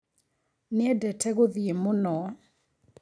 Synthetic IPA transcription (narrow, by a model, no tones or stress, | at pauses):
nɪɛdɛtʰɛɣʊðiemʊnɔ